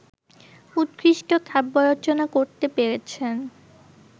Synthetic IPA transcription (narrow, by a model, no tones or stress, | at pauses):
ut̪̚kɾiʃʈokʰɛbːoɾot͡ɕonakoɾt̪epeɾet͡ɕʰen